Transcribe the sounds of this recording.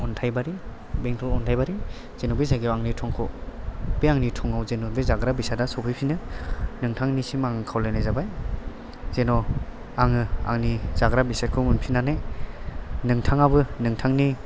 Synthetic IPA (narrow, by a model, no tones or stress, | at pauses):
ɔntʰajbaɾi | beŋkʰɯlɔntʰajbaɾi | z̥enɔbezaɡewaŋnitʰɔŋkʰɔ | b̥eaŋnitʰɔŋawzenɔbezaɡɾabisadasɔpʰijpʰinɯnɯŋtʰaŋnisimaŋɯkʰawlanajzabaj | zenɔ | aŋɯa̰ŋnizaɡɾabisakʰɯmunpʰinanɯj | nɯŋtʰaŋabɯnɯŋtʰaŋni